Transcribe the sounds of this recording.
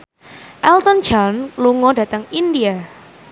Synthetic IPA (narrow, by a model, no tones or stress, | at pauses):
ʔɛlt̪ɔnd͡ʒanluŋɔda̤t̪əŋindia